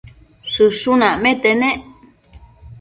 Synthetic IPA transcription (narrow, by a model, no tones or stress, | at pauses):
sɨʂunãmẽt̪enẽʔ